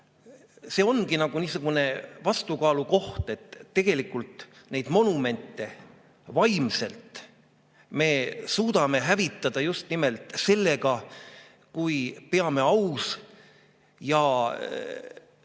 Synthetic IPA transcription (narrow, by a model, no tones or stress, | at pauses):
se̞ːo̞nɡinɑɡ̥uniːsuɡ̥une̞vɑst̪ukɑːluko̞ht̪e̞t̪ːe̞ɡ̥e̞likːult̪ | ne̞jd̪̥mo̞nume̞nt̪ːˑe̞ | vɑjmse̞lt̪ | me̞ːsuːd̪ɑme̞ɦævit̪ːˑɑd̪̥ɑjust̪nimelt̪se̞lːe̞ɡɑ | kujpe̞ɑme̞ɑws | jɑ